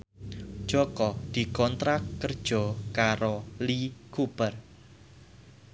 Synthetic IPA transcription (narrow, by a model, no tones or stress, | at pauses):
d̥ʒ̥ɔkɔd̪̥i̤kɔnt̪ɾakːərd̥ʒ̥ɔ̤kaɾolikub̥ər